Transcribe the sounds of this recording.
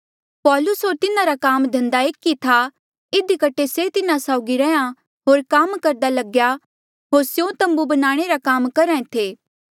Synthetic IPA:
pɔːlʊsɦoːɾt̪ɪnãɾakaːmd̪ʱɐ̃nd̪aeːkːit̪ʰa | ɪd̪ikɐʈʰeset̪ɪnãsaːʊɡiɾɛã | ɦoːɾkaːmkɐɾd̪alɐɡja | ɦoːɾsjõt̪ɐ̃mbubɐnaːɽ̃eɾakaːmkɐɾɛ̃ẽt̪ʰeː

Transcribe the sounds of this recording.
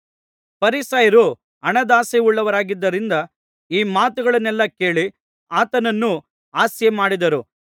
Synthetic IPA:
pɐɾisɐjɐɾu | ɐɳɐd̪aːseuɭːɐʋɐɾaːɡid̪ːɐɾind̪ɐ | iːmaːt̪uɡɐɭɐnːɛlːɐke̞ːɭi | aːt̪ɐnɐnːu | aːsjɐmaːɽid̪ɐɾu

